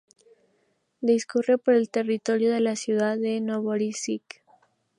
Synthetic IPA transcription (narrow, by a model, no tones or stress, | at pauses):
d̪iskurepoɾelt̪e̞rit̪oɾjoðe̞lasjuðaðenoβoɾisik